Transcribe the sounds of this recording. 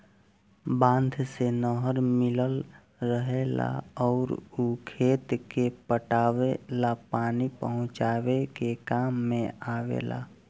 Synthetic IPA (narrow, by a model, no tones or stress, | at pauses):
bãːnd̪ʱsenəɦəɾmɪləl | ɾəɦela̰ɔːɾukʰeːt̪kepəʈaːwelapaːnipəɦʊ̃t͡ʃaːwekekaːmːẽaːwḛla̰